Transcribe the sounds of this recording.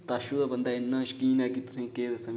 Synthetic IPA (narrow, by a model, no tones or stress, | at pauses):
t̪aːʃuːd̪abɐnd̪aːɪnːãːʃkiːnɛːkit̪ʊ̥sẽːkeːd̪sɐ̃m